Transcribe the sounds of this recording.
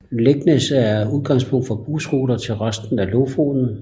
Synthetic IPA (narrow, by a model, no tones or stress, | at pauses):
leɡ̥nəsæuð̞ˠɡ̥ɑ̈ŋspʰɔ̽ŋ̰d̥fɒ̽b̥usʁoːɾɐt͡sʰe̝lʁɶsd̥n̩ælofo̰ːnn̩